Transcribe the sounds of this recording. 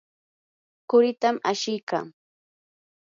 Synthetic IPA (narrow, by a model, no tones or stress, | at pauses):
kʊɾɪt̪amaʃɪjka̰ŋ